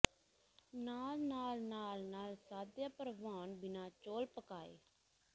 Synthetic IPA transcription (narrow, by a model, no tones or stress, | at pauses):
naːlnaːlnaːlnaːlsaːd̪jaːpəɾʋaːnbɪnãːt͡ʃoːlpəkaːḛː